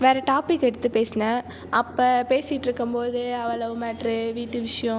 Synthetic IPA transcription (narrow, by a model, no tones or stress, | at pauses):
ʋeːɾɐʈaːpɪkːɛɽɯt̪ːɯpeːsnɐ | ʔɐpːɐːpeːsɪʈːɾɯkːɯmpoːðɯɐʋɐlɐʋɯmɐːʈɾɯʋiːʈːɯʋɪʂɐjɔ̃